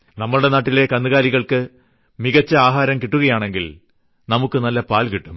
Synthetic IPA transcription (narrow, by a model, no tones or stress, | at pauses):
nɐmːɐɭuɽe̞naːʈːile̞kɐnːɨɣaːliɣɐɭkɨ | miɣɐt͡ɕːɐaːɦaːɾɐmkiʈːuɣɐjaːɳe̞ŋɡil | nɐmukːɨnɐlːɐpaːlkiʈːum